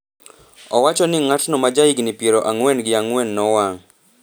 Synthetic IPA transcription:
ɔwat͡ʃɔnɪŋatnɔmad͡ʒaiɡnipeɾɔʔaŋwɛnɡɪaŋwɛnːɔwaŋ

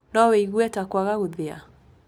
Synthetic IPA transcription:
naweiɣuɛtakwaɣaɣoðea̰

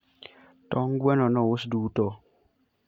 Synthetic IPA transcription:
tɔŋɡwɛnɔnɔwusduːtɔ

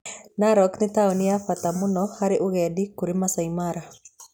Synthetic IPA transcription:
naɾɔknɪt̪aoniafat̪amunɔhaɾeʔuɣɛdikuɾimasaimaɾa

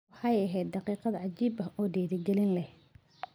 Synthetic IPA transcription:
ħɑjɐɦɛjd̪̚d̪ɑqiːqɑðɐʕad͡ʒiːbɐɔːdɛːðɪɡɛlɪnlɛh

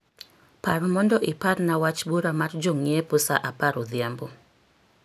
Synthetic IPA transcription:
paɾmɔndɔʔɪparnawat͡ʃbuɾamard͡ʒoŋjɛpʊsaʔapaɾod̪jambo

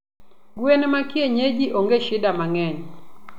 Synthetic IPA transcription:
ɡwenɛmakieɲed͡ʒiʔoŋɡeʃɪdamaŋɛɲ

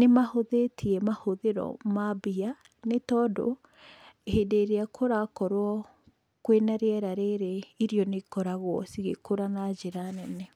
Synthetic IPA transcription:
nemahoðetʰiɛmahoðeɾɔ̰mabia | netɔːdo̰ | ehedeːɾeakʰoɾakɔɾwɔ | kwenaɾeɛɾaɾeɾeiɾiɔnekɔɾaɣwɔsiɣḛkoɾanad͡ʑeɾanɛnɛ

